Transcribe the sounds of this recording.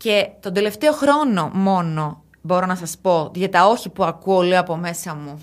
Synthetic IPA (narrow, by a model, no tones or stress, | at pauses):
ce̞t̪o̞nd̪ele̞ft̪e̞o̞xɾo̞no̞mo̞no̞ | bo̞ɾo̞nɐsɐspo̞ʝɐt̪ɐo̞çipuɐkuolioɐpo̞me̞sɐmu